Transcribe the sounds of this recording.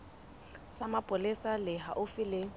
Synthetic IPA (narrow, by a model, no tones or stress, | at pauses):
samapʼʊlɪsalɪɦa̰ʔʊfɪlɪ